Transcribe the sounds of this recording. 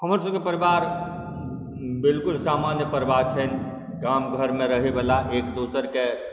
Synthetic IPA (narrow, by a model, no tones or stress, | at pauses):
ɦəmɾsəbkepəɾibaɾ | bɪlkʊlsaːmanjəpəɾibaɾt͡ʃʰən | ɡamɡʱəɾmẽɾəɦibəlaʔeːkd̪osəɾke